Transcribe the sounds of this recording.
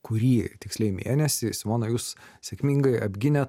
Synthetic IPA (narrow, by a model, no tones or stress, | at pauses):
kʊɾʲiːt̪ʲɪksʲlʲɛɪmʲḛːnʲɛsʲɪsʲmoːnoːjuːs | sʲɛkmʲiːŋɡɐɪɐbʲɡʲɪnʲɛt̪